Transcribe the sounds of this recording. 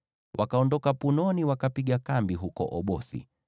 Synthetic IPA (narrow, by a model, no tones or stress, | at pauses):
wʔakaɔndɔkapunɔniwakapiɠakambiɦukɔ̰ʔɔɓɔsḭ